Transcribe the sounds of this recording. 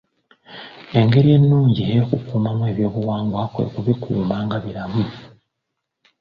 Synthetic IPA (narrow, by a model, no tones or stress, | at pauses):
e̞ŋɡe̞ɾie̞nːuːɲɟieokukuːmamwe̞βjo̞ːβuwaːŋɡwakwḛkuβikʰṵːmaːŋɡaβiɾamu